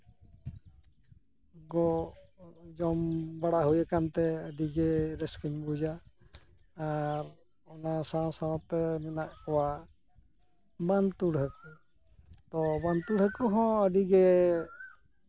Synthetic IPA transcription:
ɡɔ | d͡ʒɔmbaɽaɦujɛkant̪ɛədiɡɛɾɛskiɲbud͡ʒa | ɾ | ɔnasãsawpɛnɛnaʔkɔwa | bant̪uɽɦɛku | t̪ɔbant̪uɽɦɛkuɦɔ̃ədiɡɛ

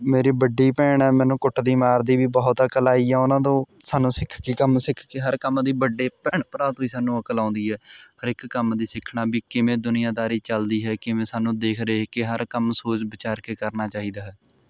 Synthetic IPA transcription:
meːɾiːbəɖiːpɛːɳɛːmɛ̃ːnũːkʊʈʰd̪iːmaːɾd̪iːbiːbɔːt̪əkəlaːiːɛːʊnãːd̪õːsaːnũːsɪkʰkikəmsɪkʰkeɦəɾkəmd̪iːbəɖeːpɛːɳpəɾaːt̪õːiːsaːnũːəkəlãːʊ̃nd̪iːɦɛːəɾɪkːəmd̪iːsɪkʰɳaːbiːkɪmẽːd̪ʊnɪjãːd̪aːɾiːt͡ʃəld̪iːɦɛːkɪmẽːsaːnũːd̪eːkʰɾeːkɪɦəɾkəmsoːt͡ʃbət͡ʃaːɾkeːkəɾnaːt͡ʃaːɦiːd̪aːɦɛː

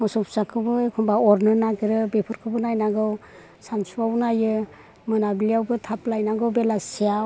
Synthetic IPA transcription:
mɔsɔpsakʰɯbɯkʰumbaɔɾnɯnaɡɾɯbepʰɯɾkʰɯbɯnajnaɡɯw | sansuawnajɯ | mɯnablijawbɯtʰaplajnaɡɯwbelasijaw

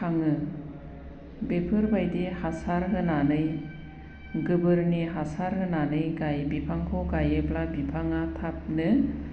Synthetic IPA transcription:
kʰaŋɯ | bepʰɯɾbajdihasaɾɦɯnanɯj | ɡɯbɯɾniɦasaɾɦɯnanɯjɡajbipʰaŋkʰɔɡajɯplabipʰaŋatʰap̚nɯ

